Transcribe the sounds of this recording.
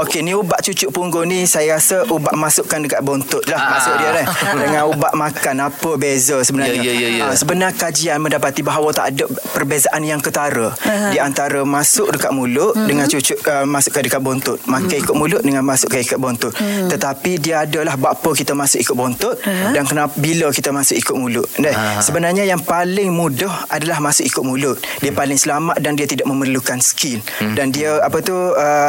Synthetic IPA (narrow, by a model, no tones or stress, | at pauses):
okeniubaʔt͡ʃut͡ʃʊʔpuŋɡonĩsajaɾasəʔubaʔmasʊʔkandəkaʔ̪̚bɔnt̪ʊt̪̚lahmasʊkdiəladəŋãnubaʔmãkanapəbezəsəbənaəasəbənarkad͡ʒianmə̃ndapat̪ibaɦawət̪a̰ʔadəpərbezaʔanjaŋkət̪aɾədiant̪aɾəmasʊk̚dəkaʔ̪̚mulʊʔdəŋãnt͡ʃut͡ʃʊʔəmasʊʔkədəkat̪̚bɔnt̪ʊt̪makəikʊt̪̚mulʊʔ̪̚dəŋanmasʊʔkaikat̪̚bɔnt̪ʊt̪̚t̪ːət̪apidiəadəlahbapəkit̪əmasʊkʔikʊt̪̚bɔnt̪ʊt̪̚dankənabiləkit̪əmasʊkikʊt̪̚mulʊʔ̪̚ndahsəbənarɲajaŋpalɪŋmudɔhadalahmasʊkikʊt̪̚mũlʊt̪̚diəpalɪŋsəlamaʔ̪̚dandiət̪idaʔ̚məmərlukansə̥kɪl | dandiəapət̪uə